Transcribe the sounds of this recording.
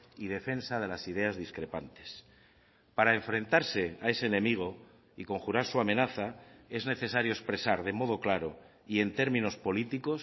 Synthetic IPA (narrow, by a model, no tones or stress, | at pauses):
ið̞e̞fe̞nsaðe̞lasiðe̞azðiskɾe̞pant̪e̞̥s | paɾae̞ɱfɾe̞nt̪aɾse̞ae̞se̞ːnẽ̞miɣ̞o̞ | iko̞ŋxuɾaɾsuame̞naθae̞zne̞θe̞saɾjoespɾe̞saɾðe̞mo̞ð̞o̞klaɾo̞ | ie̞nt̪e̞ɾmĩno̞spo̞lit̪iko̞s